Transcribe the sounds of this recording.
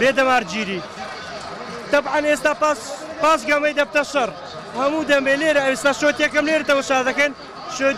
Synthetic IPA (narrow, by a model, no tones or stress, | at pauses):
beːd̪ɐmaːɾd͡ʒiːɾiː | t̪ɐbʕɐneːst̪aːpas | paːsɡɐmɐjd̪ɐp̚t̪ɐʃɐr | hɐmuːd̪ɐmeːleːɾɐɐwest̪aːʃoːt̪jekɐmleːɾt̪ɐwɐʃaːzɐkɐn | ʃo